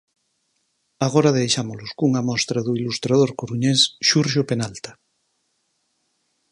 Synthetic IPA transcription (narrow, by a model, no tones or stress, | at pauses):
aɣ̞oɾaðejʃamoloskuŋamɔst̪ɾaðuilust̪ɾað̞oɾkoɾuɲesʃuɾʃopenalt̪a